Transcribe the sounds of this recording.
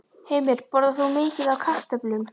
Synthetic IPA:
heːjmɪɾ̥pɔɾðaθumɪːcɪðawkʰaht̪ɛplʏm

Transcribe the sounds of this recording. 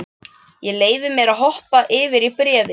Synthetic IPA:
jɛleːjvɪmjɛɾaðɦɔhpaʔɪːvɪɾipɾɛːvɪ

